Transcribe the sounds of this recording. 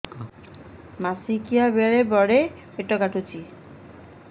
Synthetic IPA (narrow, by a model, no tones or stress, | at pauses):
masikiabeɾebɔɽe | beʈːɔɡaʈut͡ɕʰi